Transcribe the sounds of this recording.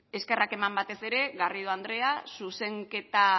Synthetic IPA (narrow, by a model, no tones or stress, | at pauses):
e̞ske̞rake̞mambat̪e̞se̞ɾe̞ɣariðoand̪ɾe̞asuse̞ŋke̞t̪a